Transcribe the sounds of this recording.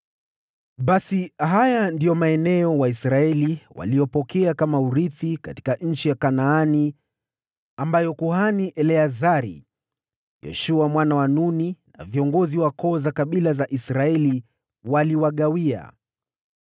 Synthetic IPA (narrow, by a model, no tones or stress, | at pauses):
ɓasiɦajandijɔmaɛnɛɔwaisɾaɛliwa̰lijɔpɔkɛakamauɾiθikati̥kaɲ̩t͡ʃijakanaani | ambajɔkuhaniʔɛlɛazaɾḭ | jɛ̰ʃuamwanawanunina̰viɔŋɡɔziwakɔzakaɓilazaʔisɾaɛli | waliwaɠawia̰